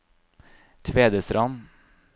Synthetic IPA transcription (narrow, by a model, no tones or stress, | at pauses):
t̪ʰʋeːd̪əsɾʔɑn